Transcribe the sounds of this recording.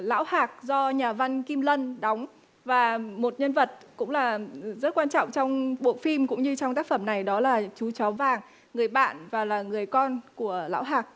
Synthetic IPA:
la̰ː˧˥whaː˨˩k̚zɔ˧ɲaː˨˩va˧nki˧mlə˧nɗa˨˦wŋ͡m | vaː˨˩mo˨˩t̚ɲə˧nvə˨˩t̚kʊ̰˧˥ŋ͡mlaː˨˩zə˦˥t̚kwaː˧nt͡ɕɔ̰˧˨wŋ͡mt͡ɕɔ˧wŋ͡mɓo̰˧˨fi˧mkʊ̰˧˥ŋ͡mɲɨ˧t͡ɕɔ˧wŋ͡mt̪aː˦˥k̚fə˧˩mna˨˩jɗɔ˨˦laː˨˩t͡ɕu˨˦t͡ɕɔ˨˦vaː˨˩ŋː | ɨ˨˩əjɓa̰ː˧˨nvaː˨˩laː˨˩ŋɨ˨˩əjkɔ˧nku˧˩əla̰ː˧˥wɦaː˨˩k̚

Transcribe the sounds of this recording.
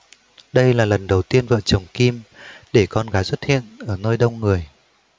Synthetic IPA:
ɗə˧jlaː˨˩lə˨˩nɗə˨˩wt̪i˧ənvə̰ː˧˨t͡ɕə˨˩wŋ͡mki˧mɗe˧˩kɔ˧nɣaː˨˦jswə˦˥t̚hḭ˧˨ənʔəː˧˩noː˧jɗə˧wŋ͡mŋɨ˨˩əj

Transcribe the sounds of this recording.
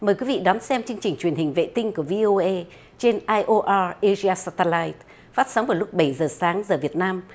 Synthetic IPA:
məː˨˩jkwi˨˦vḭ˧˨ɗɔ˨˦nsɛ˧mt͡ɕɨ˧əŋt͡ɕï˨˩ŋ̟t͡ɕwi˧˩ənhï˨˩ŋ̟vḛ˧˨t̪ï˧ŋ̟ku˧˩əvi˧ʔo˧ʔə˧ | t͡ɕe˧nʔaː˧jʔo˧ʔaː˧ʔe˧zi˧aː˧saː˧t̪ə˧laː˧jt̪̚ | faː˦˥t̚saː˨˦ŋ͡mvaː˨˩lʊ˦˥k͡p̚ɓə˧˩jzəː˨˩saː˨˦ŋzəː˨˩vi˨˩ət̚naː˧m

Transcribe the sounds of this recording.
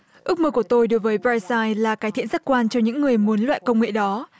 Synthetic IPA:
ʔɨ˦˥k̚məː˧ku˧˩ət̪o˧jɗo˨˦jvəː˨˦jbaː˧jsaː˧jlaː˨˩kaː˨˦jt̪ʰḭ˧˨ənza˦˥t̚kwaː˧nt͡ɕɔ˧ɲɨ̰˧˥ŋːɨ˨˩əjmu˨˦nlwa̰ː˧˨jkə˧wŋ͡mŋḛ˧˨ɗɔ˨˦

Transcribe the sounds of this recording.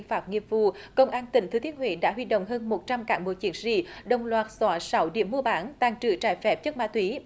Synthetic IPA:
ŋfaː˦˥p̚ŋi˧˨əmvu˧kə˧wŋ͡mʔaː˧nt̪ï˧˩ŋʰɨ˨˦t̪i˨˦ənhwḭ˧˩˦ɗa̰ː˧˥ɦwi˧ɗo̰˧˨wŋ͡mɦəː˧nmo˨˩t̚t͡ɕa˧mkaː˧˩ŋɓo̰˨˧˦t͡ɕi˨˦ənzḭ˧˨ɗə˨˩wŋ͡mlwaː˨˩t̚swɔː˨˩sa˨˦wɗḭ˧˩əmːu˧əɓaː˨˦nt̪aː˨˩ŋt͡ɕɨ̰˧˩t͡ɕaː˧˩jfɛ˨˩p̚t͡ɕə˦˥k̚ma̰ː˧˥t̪wi˨˦

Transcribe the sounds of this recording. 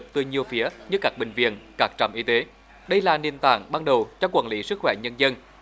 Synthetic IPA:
p̚t̪ɨ˨˩ɲi˨˩əwfi˨˦əɲɨ˧kaː˦˥k̚ɓï˨˩ŋ̟vḭ˧˨ənkaː˦˥k̚t͡ɕə̰˧˩mʔi˧t̪e˨˦ | ɗə˧jlaː˨˩ni˨˩ənt̪a̰ː˧˩ŋɓaː˧nɗə˨˩wt͡ɕɔ˧wkwa̰ː˧˩nlḭ˧˨˦sɨ˦˥k̚xwɛ˧˩ɲə˧nzə˧n

